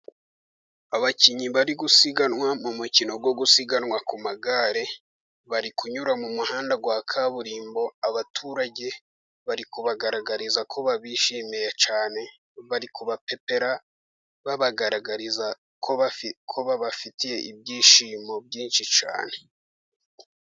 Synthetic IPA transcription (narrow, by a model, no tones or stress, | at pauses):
aβaciɲiβaɾiɡusiɡanŋwamumucino̞ɡwo̞ɡusiɡanŋwakumaɡaɾe̞ | βaɾikuɲuɾamumuhaːndaɡwaːkʰaβuɾiːmbo̞aβatʰuːɾaɟe̞ | βaɾikuβaɡaɾaɡaɾizakʰo̞βaβiːʃimijet͡ʃaːne̞ | βaɾikuβape̞pe̞ɾa | βaβaɡaɾaɡaɾiza | kʰo̞βakʰo̞βaβafitije̞ʔib̚ɟiːʃimo̞b̚ɟiːnʃit͡ʃa̰ːne̞̥